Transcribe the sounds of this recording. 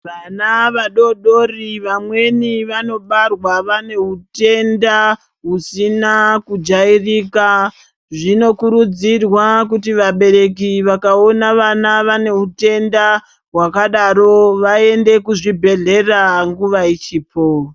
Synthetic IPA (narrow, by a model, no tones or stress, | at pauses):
ʋanaʋaɗo̞ɗo̞riʋamwe̞niʋano̞ɓarwaʋane̞ɦute̞nda | ɦusinakud͡ʒairika | ʐino̞kuɾud͡zirwakutiʋaɓe̞ɾe̞k̬iʋakao̞naʋanaʋane̞ɦute̞nda | ɦwakaɗaɾo̞ʋae̞nde̞kuʐibʱe̞ɮe̞raŋɡuʋait͡ʃiːpʰo